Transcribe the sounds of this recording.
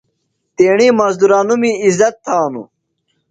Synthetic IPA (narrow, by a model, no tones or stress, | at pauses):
t̪eːɳiːmɐzd̪uɾaːnumiizɐt̪ʰːaːnṵ